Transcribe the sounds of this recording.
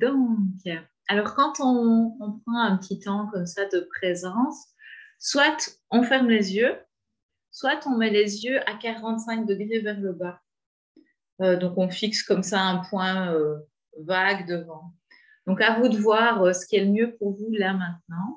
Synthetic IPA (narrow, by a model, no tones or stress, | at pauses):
d̪ɔ̃kɛ | alɔʁkɑ̃t̪ɔ̃ɔ̃pχɑ̃ɛ̃pət̪ʰit̪ɑ̃kɔmsad̪əpχezɑ̃sː | wat̪ | ɔ̃fɛʁmlezjø | swat̪ɔ̃mɛlezjøʔakaʁɑ̃t̪sɛ̃k̚d̪əɡʁevɛʁləba | ød̪ɔ̃kɔ̃fikskɔmsaɛ̃pwɛ̃ø | vaɡd̪əvɑ̃ | d̪̥ɔ̃kavud̪əvwaʁøsə̥kʲiɛləmjøpuʁvulamɛ̃t̪̚nɑ̃